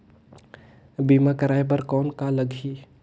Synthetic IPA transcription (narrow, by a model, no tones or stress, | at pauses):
biːmakəɾaːjbəɾkɔːnkaləɡʱiː